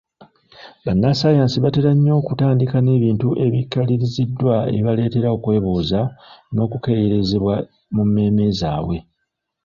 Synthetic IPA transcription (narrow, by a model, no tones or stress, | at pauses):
βanːasajaːnsiβate̞ɾaɲːo̞ːkutaːndikane̞ːβiːntuʔe̞βikːaliɾizidːwaḛβale̞ːte̞ɾao̞kwe̞ːβuːzano̞ːkuke̞jeɾe̞zeβwa | mumːe̞ːme̞zaːwe̞